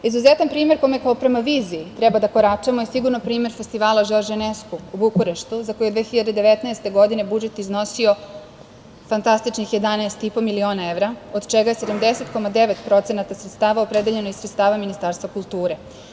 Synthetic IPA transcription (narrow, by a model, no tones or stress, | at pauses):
izuze̞t̪anpɾiːme̞ɾko̞jimjekaopɾe̞maʋiːziːt̪ɾebad̪ako̞ɾat͡ʃemojesiɡuɾnopɾiːme̞ɾfest̪iʋaːlaʒeʒeneskuubukoɾeʃt̪uzako̞jed̪ʋeːxiʎad̪ed̪e̞ʋet̪naest̪e̞ɡo̞d̪ine̞bud͡ʒe̞t̪izno̞sio̞ | fant̪ast̪it͡ʃnixje̞d̪anaest̪ipo̞milio̞ːnaeʋɾaod̪t͡ʃeɡaje̞se̞d̪amd̪ese̞t̪ko̞mad̪e̞ʋet̪pɾo̞t̪se̞nat̪asɾet̪st̪aːʋaopɾed̪eʎe̞noisɾet̪st̪aːʋaminist̪aːɾst̪vʋakulˠt̪uːɾe̞